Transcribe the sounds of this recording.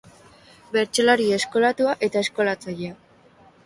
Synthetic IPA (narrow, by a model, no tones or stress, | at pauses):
be̞ɾt͡ʃo̞laɾiesko̞lat̪uaʔe̞t̪ae̞sko̞lat͡sajea